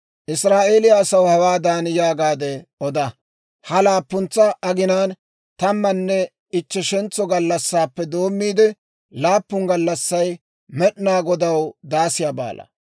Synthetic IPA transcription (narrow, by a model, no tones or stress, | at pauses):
ʔɪsɾaːʔe̞ːlɪjaːsɐwhɐwaːd̪aːnjaːɡaːd̪ɛʔɔd̪ɐ | hɐlaːpːʊnt͡sːɐʔɐɡɪnaːn | t̪ɐmːɐnːɛ | ɪt͡ʃːɛʃɛnt͡sɔɡɐlːɐsːaːpːɛd̪o̞ːmːiːd̪ɛ | laːpːʊŋɡɐlːɐsːɐj | mɛɗɪnaːɡɔd̪ɐwd̪aːsɪjaːba̰ːlʔɐ̰